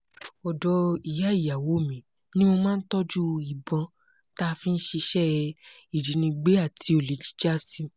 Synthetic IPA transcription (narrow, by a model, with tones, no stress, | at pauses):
ɔ˨dɔ˧i˨ja˨˦i˦˨ja˨wo˨˦˨mĩ˨ | nĩ˦mo˧mãː˦˧n̩˦tɔ˦d͡ʒu˦i˨bɔ̃˨˧ | ta˦˧fĩ˦n̩˦ʃi˧ʃɛ˦ | i˨d͡ʒi˨˦nĩ˧ɡ͡be˦a˦˨tʰi˨˧˦o˨le˨˦d͡ʒi̥˦d͡ʒa˦˨si˧